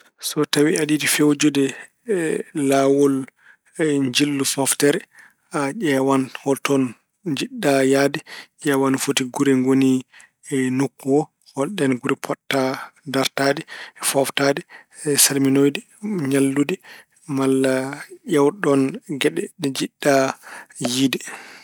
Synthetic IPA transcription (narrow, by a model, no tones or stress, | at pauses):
sɔtawiadidifewd͡ʒudɛ | lawɔl | ɲd͡ʒilːufɔftɛɾɛ | aʔɛwanhɔltɔn | d͡ʒiɗːajadɛʔɛwanfotiɡuɾɛŋɡoni | nukːuwɔ | hɔlɗɛnɡuɾɛpʰɔtːadaɾtadɛfaftadɛ | salminojdi | ɲalːudi | malːaʔɛwɗɔnɡɛɗɛɗɛd͡ʒiɗːa | jidi